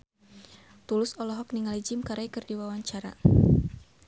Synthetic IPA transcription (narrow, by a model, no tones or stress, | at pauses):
t̪ulʊsɔlɔɦɔk̚niŋalid͡ʒɪmkaɾajkɨrdiwawaɲt͡ʃaɾa̰